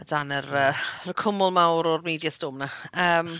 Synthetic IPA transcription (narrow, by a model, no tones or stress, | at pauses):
danəɾəːərkʰʊmʊlˠmawɾɔrmiːdjastoːmnaəːm